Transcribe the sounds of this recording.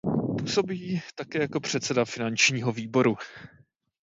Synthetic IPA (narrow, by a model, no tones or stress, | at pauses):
puːso̞biːt̪akɛːjako̞pr̝̥ɛt̪t͡sɛdafɪnant͡ʃɲiːɦo̞viːbo̞ɾu